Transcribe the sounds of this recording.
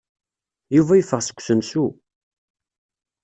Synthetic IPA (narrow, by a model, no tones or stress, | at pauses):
juvæjəfəʁsə̥kʷːsənsu